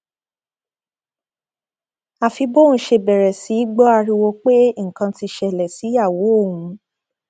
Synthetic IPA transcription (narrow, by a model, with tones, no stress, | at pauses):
a˨fi˧bõ˦ʃe˧˨bɛ˨ɾɛ˨si˨˦i˦ɡ͡bɔ˦a˧ɾi˧wo˧k͡pe˦ŋ̩˨kã˧ti˧ʃɛ˨lɛ˨si˨˦a˦˨wo˨˦o˦˨ũ˨˦